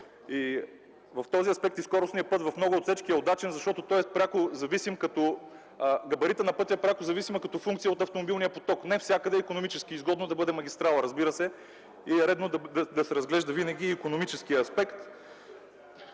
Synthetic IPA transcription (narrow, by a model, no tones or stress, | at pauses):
i | vɐft̪ɔziɐspɛk̚t̪iskɔɾʊsniəpɤt̪vɐfmnɔɡʊot̪fsɛt͡ʃk̟iɛod̪at͡ʃɛnzɐʃt̪ɔt̪ot̪ɔjɛspɾʲakozɐvisimkɐt̪ɔ | ɡɐbɐɾit̪ənɐpɤt̪ʲiɐpɾʲakozɐvisimɐkɐt̪ɔfuŋkt̪sijəot̪ɐft̪omobilˠnijəpot̪ɔknɛfsʲakəd̪ɛikonomit͡ʃɛskiːzɡɔd̪nod̪ɐbɤd̪ɛmɐɡ̟ʲist̪ɾalˠɾɐzbiɾəsɛ | iɛɾɛd̪nod̪d̪ɐsɛɾɐzɡlɛʒd̪ɐvinəɡʲiːkonomit͡ʃɛsk̟ijəɐspɛkt̪